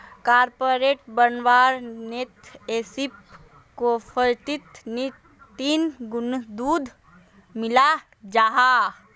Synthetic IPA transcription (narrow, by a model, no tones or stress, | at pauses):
kaːɾpoːɾeːʈbənʋaːɾnet̪eːsip | kopʰəɾt̪it̪ni | t̪iːnɡʊnd̪uːd̪ʱ | mɪla | d͡ʒaːɦa